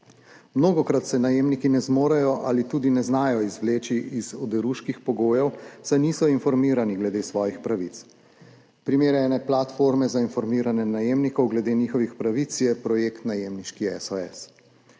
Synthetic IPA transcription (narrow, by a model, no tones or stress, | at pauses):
mnoːɡɔkɾat̪sɛnajeːmnikinɛzmoːɾajɔʔalit̪uːd̪inɛznaːjɔizʋleːt͡ʃiʔizɔd̪ɛɾuːʃkixpɔɡoːjɛwsajniːsɔinfɔɾmiːɾaniɡlɛd̪eːsʋɔːjixpɾaʋit̪s | pɾimeːɾɛnɛplat̪foːɾmɛzainfɔɾmiːɾanɛnajeːmnikɔwɡlɛd̪eːniːxɔʋixpɾaʋit̪sjɛpɾɔjeːkt̪najeːmniʃkiɛ̰sɔɛs